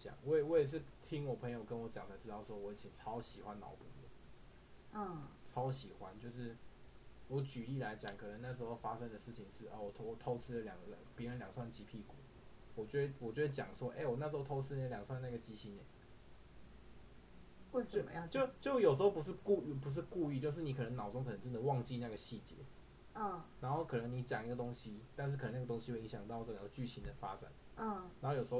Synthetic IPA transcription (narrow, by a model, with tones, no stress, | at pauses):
t͡ɕjɑ̰˨˩˦ŋwɔ˧˥˨wɔ˧˥jɛ˨˩ʂ̬̩˥˨t̪ʰi˥ŋwɔ˨˩pʰɤ˧˥ŋjo˨˩ʊkə˦nwɔ˧˥t͡ɕjɑ˨˩ŋt͡sʰa˧˥ʈ͡ʂɻ̩˧˥t̪ɑ˥˩ʊswɔ˥wɔ˧˦i˨˩t͡ɕʰi˨˩ʈ͡ʂʰɑ˥ʊɕi˨˩xwa˦nɑ̰˧˥ʊpṵ˥˩lə̰˨˩˥ | ʈ͡ʂʰɑ˥ʊ˧ɕi˨˩xwa˦nt͡ɕjo˥˧ʊʂ̬ɻ̩˥˩ | wɔ˧˥˦t͡ɕy˨˩li˥˩la˧˥ɪt͡ɕjɑ˨˩ŋkʰɤ˨˩nə˧˦na˥˩ʂɻ̩˧˥xo˥˧ʊfa˥ʂə˥ŋd̪ə˨ʂɻ̩˥˩t͡ɕʰi˨˩ŋʂɻ̩˥˩ə̰˩wɔ˨˩t̪ʰwɔ˨˩t̪ʰo˥ʊt͡sʰɹ̩˥d̪ə˨ljɑ̰˨˩ŋɡə˦lpjɛ˧˥ə˧˦nljɑ˨˩ŋswa˥˩nt͡ɕi˧˥pʰi˥˩kṵ˨˩˦ | wɔ˨˩t͡ɕɥɛ˧˥d̪ə˧˩wɔ˨˩t͡ɕɥɛ˧˥d̪ə˧˩t͡ɕjɑ̰˨˩ŋswɔ˦ʔe˥˩ɪwɔ˨˩na˥˩ʂɨ˧˥o˥˩t̪ʰo˥ʊt͡sʰɹ̩˥n˧˨ljɑ˨˩ŋswa˥˧nna˥˩ɡə˩t͡ɕi˧˥ɕi˧˥nɛ˨˩ | wt͡ɕo˥˩˧t͡ɕjo˥˩t͡ɕjo˥˩ʊjo˨ʊʂ̬̩˥xo˥ʊp̬u˧˥ʂ̬ɻ̩˥˧ku˥˧˥pu˧˦ʂ̬ɻ̩˥˧ku˥˧y˥˧t͡ɕjo˥˧ʊʂ̬ɻni˨˥kʰɤ˨˩nə˧˦ŋnɑ˨˩ʊt͡so˥ŋkʰɤ˨˩nə˦ŋʈ͡ʂə˧˥nd̪ə˧˨˦wɑ˥˧ŋt͡ɕi˥˧na˥˩ɡə˩ɕi˥˩t͡ɕjɛ̰˧˦˥ | na˧˥nxo˥˩ʊkʰɤ˨˩nə˧˦ŋni˧˥t͡ɕjɑ˨˩ŋi˧˥ɡə˨˩t̪o˥ŋɕi˦t̪a˥˧nʂ̬ɻ̩˥kʰnə˧˦na˥˩ə˩o˥ŋɕi˥we˥˩i˧ŋɕjɑ˨˩ŋt̪ɑ˥˧ʊʈ͡ʂə˥˧˩ɡə˧˩t͡ɕy˥˩ɕi˧˥nd̪ə˨fa̰˦ʈ͡ʂa̰˨˩˦n˥˩ | na˧˦ŋxo˥˩jo˨˩ʂ̩˧xo˥˧˩